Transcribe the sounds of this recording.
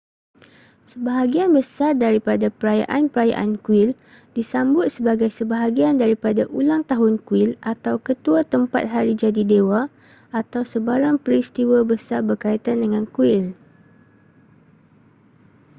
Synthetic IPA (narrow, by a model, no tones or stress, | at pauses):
səbaɦaɡianbəsardaɾipadapəɾaja̰ʔanpəɾaja̰ʔa̰nkuɪl | disambʊt̪̚səbaɡajsəbaɦaɡiandaɾipadaʔulaŋt̪aɦʊnkuɪlʔat̪awkət̪uat̪əmpa̰t̪̚ɦaɾid͡ʒadidewa | at̪awsəbaɾaŋpəɾist̪iwabəsarbərkait̪andəŋãnkuɪl